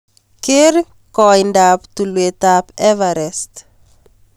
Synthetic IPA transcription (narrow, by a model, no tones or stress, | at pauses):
keɾ | kɔjndaptulwet̪apɛvaɾɛst